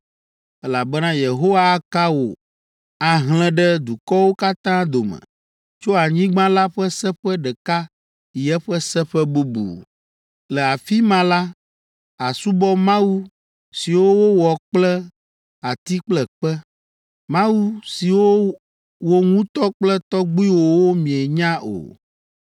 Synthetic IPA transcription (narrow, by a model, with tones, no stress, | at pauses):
ɛ˦la˨bɛ˦nã˦je˨ɦo˦wa˦ka˦wo̰˨ | a˨ɦl̃ɛ̃˦ɖɛ˦d̪u˨kɔ˦wo˦ka˦t̪ã˦d̪o˨mə̰̃˨ | t͡ʃo˦a˨ɲĩ˦ɡ͡bã˦la˦ɸɛ˦sɛ˦ɸɛ˦ɖɛ˨ka˦˨ | jɛ˦ɸɛ˦sɛ˦ɸɛ˦bu˦bṵ˨ | lɛ˨a˨fi˦mã˨la˦ | a˨su˦bɔ˦mã˦wu˦ | si˨wo˦wo˦wɔ˨k͡plɛ˦ | a˨t̪i˦k͡plɛ˨k͡pɛ˦ | mã˦wu˦si˨wo˦ | wo˦ŋũ˦t̪ɔ˦k͡plɛ˦t̪ɔ˦ɡ͡bi˦wo˨wo˦mĩ˨ɛ˨ɲã˦ʔo̰˨